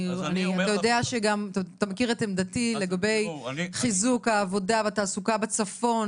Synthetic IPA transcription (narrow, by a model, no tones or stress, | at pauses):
aniatajo̞deaʃeɡamtːt̪amekiʁetemdatile̞ɡabe̞jχizukaːvo̞davat̪aːsukabet͡safo̞n